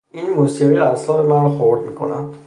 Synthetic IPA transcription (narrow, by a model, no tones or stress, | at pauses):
inmosiʁiæslɒːhemænrɔxoɾd̪mikʰo̞̰næ̰nd̪